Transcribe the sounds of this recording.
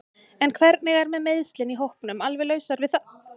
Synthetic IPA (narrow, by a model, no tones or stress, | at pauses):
ɛnkʰvɛɾt̪̚nɪɣɛɾmɛðmejðst̪lɪniɦowhpnʏmalvɛlœːɥsaɾvɪðθa